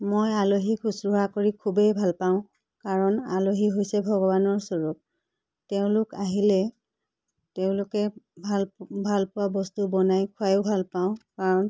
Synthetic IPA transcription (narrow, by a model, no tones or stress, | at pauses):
mojaloɦikʰusɹʊɦakoɹikʰubejbʱalpaʊ̃ | kaɹɔna̰loɦiɦojsɛbʱɔɡɔbanɔɹsɔɹuk̚ | teʊ̃lʊkaɦilɛ | teʊ̃lʊkɛbʱalbʱalpʊwabɔstubɔnajkʰʊajoʊbʱalpaʊ̃kaɹɔn